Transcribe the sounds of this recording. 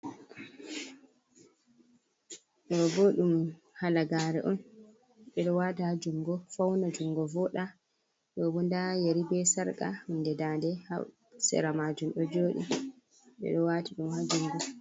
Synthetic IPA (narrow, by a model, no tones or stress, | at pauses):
ɗɔbɔɗum | halaɡaːɾɛʔɔn | ɓɛɗɔwaːtahad͡ʒumɡɔfawnad͡ʒumɡɔvɔɗa | ɗɔwundajaɾibɛsaɾka̰hundɛdandɛha | sɛ̰ɾamad͡ʒumɗɔd͡ʒoːɗḭ | ɓɛ̰ɗɔwatiɗumhad͡ʒumɡɔ